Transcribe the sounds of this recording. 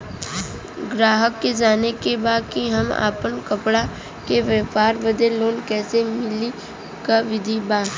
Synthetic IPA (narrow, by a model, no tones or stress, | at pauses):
ɡɾaːɦəkːed͡ʒaːnekebaːd̪̚kiɦɐma̰ːpənkɐpɽa | keʋəpaːɾbəd̪eloːnkɛːsemɪli | kaʋɪd̪ʱibaː